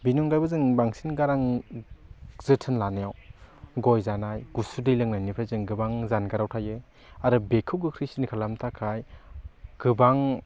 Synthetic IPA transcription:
binɔŋɡajbɯzɯŋbaŋsinɡaɾaŋ | z̥ɯtʰɯnlanejawɡɔjzanajɡ̥usudɯjlɯŋnajnipʰɾajzɯŋɡɯbaŋzanɡaɾawtʰajɯ | aɾɯbekʰɯwɡɯkʰɾisnikʰalamtʰakʰaj | ɡ̥ɯbaŋ

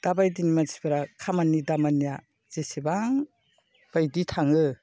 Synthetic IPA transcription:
d̥abajdinimazibaɾakʰamanidamanija | z̥esebaŋ | b̥ajditʰaŋɯ

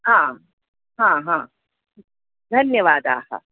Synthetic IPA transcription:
hãː | ɦãːɦãː | d̪ʱɐnjɐʋaːd̪aːhɐ̰

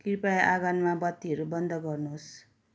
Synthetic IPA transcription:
kirpajʔaɡanmabʌt̪ːiɦʌɾubʌnd̪ʱʌɡʌrnuɦos

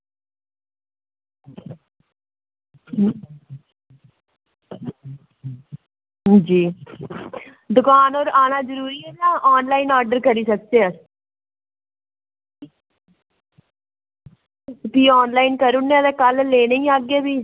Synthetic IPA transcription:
d͡ʒiː | d̪ʊkaːnoːɾaːnaːd͡ʒəɾuːɾiːɛːd͡ʒãːʔɔːnlaːiːnɔːɾɖəɾkəɾiːsək̚d̪eːəs | piːɔːnlaːinkəɾʊnːẽːd̪eːkəlleːnaĩːaːɡeːbiː

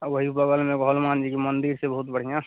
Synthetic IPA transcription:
ʋəɦipəɡəlmẽɡʱɦolmand͡ʒikimənd̪iɾsebəɦut̪bəɽ̤ijã

